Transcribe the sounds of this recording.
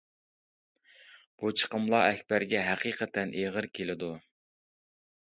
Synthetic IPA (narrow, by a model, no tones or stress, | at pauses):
b̥ut͡ʃʰə̥qʰəmlˠɑɛkʲbæɾɡʲɛɦæqʰiːqʰət̪ɛnʔeʁəɾkʲʰelɪd̪u